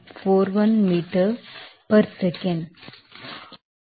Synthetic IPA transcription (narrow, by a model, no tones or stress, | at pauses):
foːɾʋɐ̃nmiːʈəɾpɐɾsɛkə̃ɳɖ